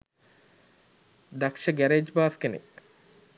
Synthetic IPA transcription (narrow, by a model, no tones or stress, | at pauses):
d̪akʃəɡæɾed͡ʒbaːskenḛk